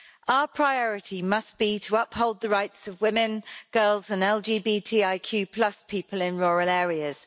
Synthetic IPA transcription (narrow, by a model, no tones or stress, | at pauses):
ʔaʊəpʰɹ̥aɪɒɹɪtʰimʌsb̥itʰəʌphoʊlˠd̪̚ðəɹaɪtsəvwɪ̃mɪ̃nɡ̥ɜːlˠzə̃nɛlˠd͡ʒiːbiːtʰiːaɪkʰj̥ʉːpʰl̥ʌspʰiˑpʰəlɪ̃nɹɔːɹəlɛːɹiəz̥